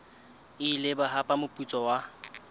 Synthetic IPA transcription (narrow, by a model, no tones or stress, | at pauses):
ɪlɪbaɦapʼamʊpʼut͡sʼɔwa